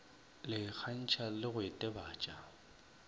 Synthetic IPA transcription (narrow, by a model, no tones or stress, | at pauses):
lɪk͡xʰan̩t͡ʃʰalɪɣʊɪtʼɛbaːt͡ʃʼa